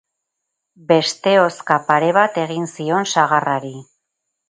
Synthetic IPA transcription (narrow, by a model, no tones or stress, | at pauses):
be̞st̪e̞o̞skapaɾe̞βat̪e̞ɣinsio̞nsaɣ̞araɾi